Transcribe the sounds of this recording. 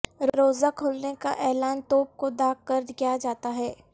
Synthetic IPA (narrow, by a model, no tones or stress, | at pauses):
ɾɾoːzakʰʊlneka̰ʔɛːlaːnt̪oːp̚kod̪aːɡkəɾd̪kijad͡ʒaːt̪aɦɛː